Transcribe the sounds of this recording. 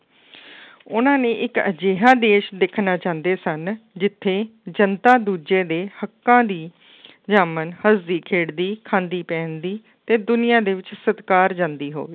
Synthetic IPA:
ʊnãːnẽːʔɪkəd͡ʒeːɦãːd̪eːʃd̪ɪkʰnaːt͡ʃãːnd̪eːsənd͡ʒɪt̪ʰːeːd͡ʒənt̪aːd̪uːd͡ʒeːd̪eːhəkːãːd̪iː | d͡ʒaːmənhəzd̪iːkʰeːɽd̪iːkʰãːnd̪iːpɛ̃ːnd̪iː | t̪eːd̪ʊnɪjãːd̪eːʋɪt͡ʃsət̪kaːɾd͡ʒãːnd̪iːɦo̰ːʋeː

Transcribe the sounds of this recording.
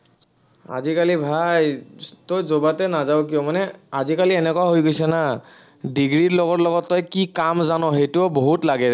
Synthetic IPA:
a̰zikalibʱajtojzobatɛnazawk̬ijɔmanɛazikaliɛnɛkɔwaɦojɡojsɛna | diɡɹiɹlɔɡɔɹlɔɡɔtːɔjkikamzanɔɦejtuɔboɦutlaɡɛ

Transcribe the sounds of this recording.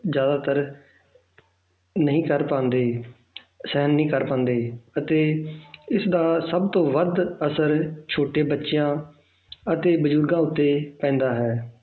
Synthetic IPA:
zjaːd̪aːt̪əɾ | nəɦĩːkəɾpãːnd̪eː | sɛɦənːəĩːkəɾpãːnd̪eːət̪eːɪsd̪aːsəbt̪õːʋəd̪əsəɾt͡ʃʰoːʈeːbətːʃjãː | ət̪eːbəd͡ʒʊɾɡãːʊt̪ːeːpɛ̃ːnd̪aːɦɛː

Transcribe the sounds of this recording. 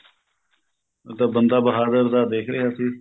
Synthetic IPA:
t̪aːbənd̪aːbəɦaːd̪əɾd̪aːd̪eːkʰɾeːɦaːsiː

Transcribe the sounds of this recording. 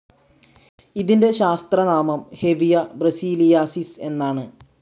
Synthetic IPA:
iðinde̞ɕaːst̪rɐnaːmɐmhe̞ʋijɐbrɐsiːlijaːsise̞nːaːɳɨ

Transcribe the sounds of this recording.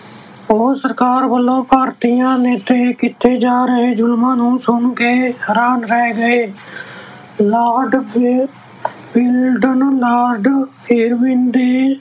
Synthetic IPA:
oːsəɾkaːɾbəlːõːpaːɾt̪ijãːneːt̪eːkɪt̪ʰːeːd͡ʒaːɾəɦeːd͡ʒʊlmãːnũːsʊɳkeːɦəɾaːnɾɛːɡəeː | laːɖ | bɪlɖənlaːɾɖ | eːɾʋɪ̃nd̪eː

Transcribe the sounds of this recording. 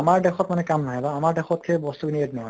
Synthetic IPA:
amaɹdɛxʰɔtmanɛkamnaɦɛbaamaɹdɛxʰɔt̚kʰejbɔstuɡinietnɔɦɔj

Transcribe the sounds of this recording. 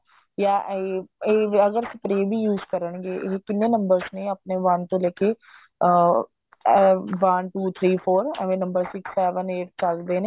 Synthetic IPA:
jaːʔeeːəɡəɾsə̥pɾeːbʱiːjuːzkəɾəɳɡeːʔɪɦkɪnːẽːnəmbəɾsnẽːəpneːʋənt̪õːlɛːkeː | ʋənʈuːt̪ʰɾiːpʰoːɾəʋẽːnəmbəɾsɪksɛːʋəneːʈ̚t͡ʃəld̪eːneː

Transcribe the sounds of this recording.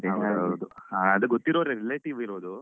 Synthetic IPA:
eɐɐwd̪uaɐd̪uɡot̪ːiɾoɾeɾileːʈiʋiɾoːd̪u

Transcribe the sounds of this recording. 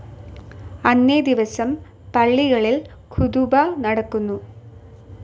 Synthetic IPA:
ɐnːed̪iʋɐsɐm | pɐɭːiɣɐɭilkʰuðubanɐɽɐkːunːu

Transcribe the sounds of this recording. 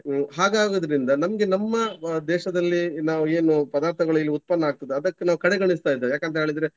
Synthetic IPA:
ɦaːɡaːɡod̪ɐɾind̪ɐnɐmɐɡe̞nɐmːɐd̪ɛːʃɐd̪ɐlːinaːʋueːnupɐd̪aːɾt̪ʰɐɡɐɭɐilːiut̪̚pɐnːɐaːɡ̚t̪ɐd̪eɐd̪ɐkːenaːʋukɐɽeɡɐɳist̪aːjid̪ejaːkɐnt̪ɐɦeːɭid̪ɾe

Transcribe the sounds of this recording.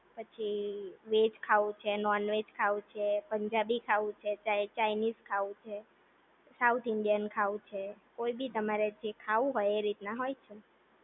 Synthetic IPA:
pət͡ʃʰiʋed͡ʒkʰaʋũt͡ʃʰenɔɾnʋed͡ʒkʰaʋũt͡ʃʰepəɲd͡ʒabikʰaʋũt͡ʃʰet͡ʃaet͡ʃainizkʰaʋũt͡ʃʰe | saut̪ʰɪɳɖijənkʰaʋũt͡ʃʰekoibʱit̪əmaɾed͡ʒekʰaʋũɦojeɾit̪naɦojt͡ʃʰe

